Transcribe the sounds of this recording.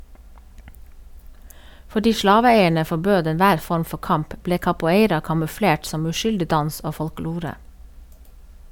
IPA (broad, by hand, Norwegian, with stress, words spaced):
fɔˈɖiː ˈʃlɑːʋəˌeɪəɳə fɔˈbøːd ɛnˈʋæːɾ ˈfɔɾm ˈfɔ ˈkɑmp ˈbleː kɑpʊˈeɪɾɑ kɑmʉˈfɽeːʈ ˈsɔm ʉˈʃʏldɪ ˈdɑns ˈoː fɔlˈkloːɾə